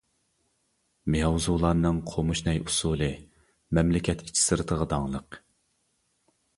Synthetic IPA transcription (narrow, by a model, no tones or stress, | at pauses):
meɑwzulˠɑɾnɨŋqʰomuʃnɛjusulˠɨ | mɛmlɪkʲʰɛt̪ʰi̥t͡ʃʰi̥sɨɾɨt̪ʰəʁəd̪ɑŋlˠəq